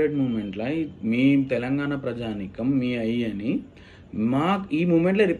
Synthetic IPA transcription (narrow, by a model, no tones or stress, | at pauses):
eɖmuːʋme̞ɳʈlɐjmiːt̪ɛlɐŋɡaːnapɾɐd͡ʒaːnikɐmːiːɐjɐni | maːkiːmuːʋmeɳʈ̬lɐɾip